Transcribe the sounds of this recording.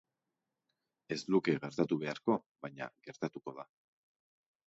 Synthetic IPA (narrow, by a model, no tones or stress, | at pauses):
e̞zlukeɣe̞ɾt̪at̪uβe̞aɾko̞ | βajɲa̰ɣe̞ɾt̪at̪uko̞ð̞a